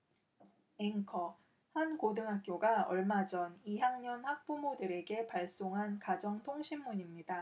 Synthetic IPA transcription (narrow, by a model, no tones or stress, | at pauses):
eŋkʰʌ | hankodɯŋɦak̚k͈joɡaʌ̰ɭmad͡ʑʌniɦjaŋɲʌnhak̚p͈umodɯɾe̞ɡe̞paɭs͈oŋɦankad͡ʑʌŋtʰoŋɕʰimːuɲimɲida